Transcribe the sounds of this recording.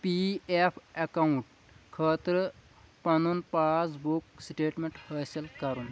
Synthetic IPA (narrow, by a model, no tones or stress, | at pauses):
piepʰɐkauɳʈ | kʰəːt̪ɾə | pɐnunpat͡sbuksʈeːʈmeɳʈhəselkɐɾuːn